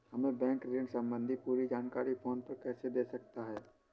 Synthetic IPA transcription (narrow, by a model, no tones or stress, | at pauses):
hɐmẽbɛ̃ːŋkɾeəksɐ̃mbə̃nd̪ʱipuːɾid͡ʒaːnkaːɾifoːnpɐɾkɛːsed̪eːsɐkt̪aɦɛː